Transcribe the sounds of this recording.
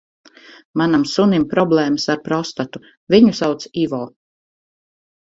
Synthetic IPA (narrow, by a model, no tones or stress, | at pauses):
manamsunimpɾɔblˠɛːməsaɾpɾɔst̪at̪u | viɲusawt̪siːvɔː